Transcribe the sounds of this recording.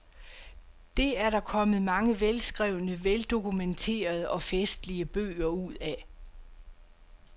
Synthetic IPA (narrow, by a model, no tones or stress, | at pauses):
d̥e̝æɐɾɑ̈kʰɒ̽məð̩ˠmɑ̈ŋəʋelsɡ̥ʁɛʊnəʋeld̥o̝kʰument͡sʰe̝̰ːɐð̞ˠəʔɒ̽fesd̥liəb̥ø̰ːɐuð̞̰ˠæ